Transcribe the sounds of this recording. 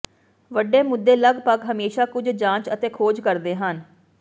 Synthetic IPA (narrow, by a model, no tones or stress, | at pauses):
ʋəɖeːmʊd̪ːeːləɡpəɡɦəmeːʃaːkʊd͡ʒd͡ʒãːt͡ʃət̪eːkʰoːd͡ʒkəɾd̪eːɦən